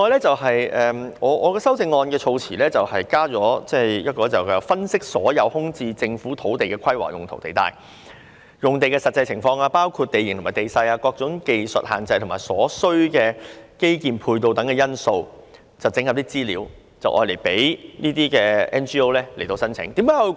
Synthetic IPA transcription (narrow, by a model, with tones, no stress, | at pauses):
ŋɔː˧jlɛː˥t͡sɐ˨wɦɐ˨jɛː˨ɔː˨˧˥ʔɔː˨˧kɛː˧sɐ˥wt͡sɪ˧ŋːɔː˧nkɛː˧t͡sʰo˧wt͡sʰiː˨˩lɛː˥t͡sɐ˨whɐ˨jkaː˥t͡sɔː˨˥t͡sɛː˥˩jɐ˥t̚kɔː˧˥t͡sɐ˨˩wɛ˧fɐ˥nsɪ˥k̚sɔː˨˥jɐ˨˧whʊ˥ŋt͡siː˧t͡sɪ˧ŋfuː˨˥t̪ʰo˨˥wt̪e˨jkɛː˧kʰɐ˥jwa̰ː˨˩jʊ˨ŋt̪ʰo˨˩wt̪e˨jt̪a̰ː˧j | jʊ˨ŋt̪e˨jkɛː˧sɐ˨t̚t͡sːɐ˧jt͡sʰɪ˨˩ŋfɔː˧ŋaː˧paː˥wkʰu˧t̚t̪e˨jɪ˨˩ŋt̪o˨˩ma˨˩t̪e˨jsɐ˧jaː˧kɔː˧k̚t͡sʊ˨˥ŋke˧jsə̰˨t̚haː˨˩nt͡sɐ˧jt̪ʰmaː˨˩sɔː˨˥sɵ˥ɥkɛː˧ke˥jkiː˨˩mpʰuː˧jt̪o˧wt̪ɐ˨˥ŋkɛː˧jɐ˥nso˧w | t͡sɐ˨˩wt͡sɪ˧˥ŋhɐ˨p̚t̪iː˥t͡siː˥lḭː˨˥w | t͡sɐ˨wʔɔ̰ː˧jle˨˩jpe˨˥jniː˥t̪iː˥kɛː˧ɛː˥nt͡ʃiː˥o˥wlɛː˥le˨˩jt̪o˧wsɐ˥nt͡sʰɪ̰˨˥ŋt̪iː˨˥mkaː˨˥j